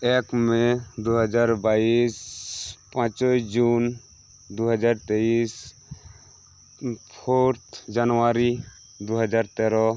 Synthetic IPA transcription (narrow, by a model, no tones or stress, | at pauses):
ɛkmɛ̃d̪uɦəd͡ʒaɾbaispãt͡ʃɔd͡ʒun | d̪uɦəd͡ʒaɾt̪eis | pʰoɾt̪ʰd͡ʒanwaɾi | d̪uɦəd͡ʒaɾt̪ɛɾɔ